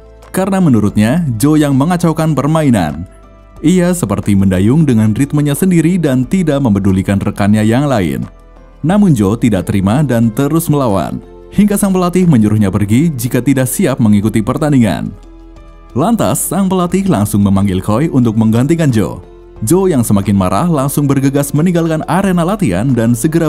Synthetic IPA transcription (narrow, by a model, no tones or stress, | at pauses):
kaɾənamənuɾʊt̪̚ɲad͡ʒojaŋməŋat͡ʃawkanpərmaina̰n | ʔiasəpərt̪iməndajʊŋdəŋanrit̪̚moɲasəndiɾidant̪idaʔməmpədulikanrəkanɲajaŋlaɪ̰nː | amʊnd͡ʒot̪idaʔ̚t̪əɾimadant̪əɾʊsməlawa̰n | hiŋɡasaŋpəlat̪ɪhməɲuɾuhɲapərɡid͡ʒikat̪idaʔsiap̚məŋikut̪ipərt̪aniŋa̰n | lant̪a̰sːaŋpəlat̪ɪhlaŋsʊŋməmaŋɡɪlkɔjʔunt̪ʊk̚məŋɡant̪̬ikand͡ʒo̰ | d͡ʒojaŋsəmakɪnma̰ɾʔa̰hlaŋsʊŋbərɡəɡasmənĩŋɡalkanaɾenalat̪ia̰ndansəɡəɾa